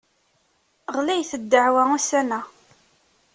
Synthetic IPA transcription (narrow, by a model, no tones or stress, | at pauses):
ʁlæjθəd̪ːəʕwæusænæ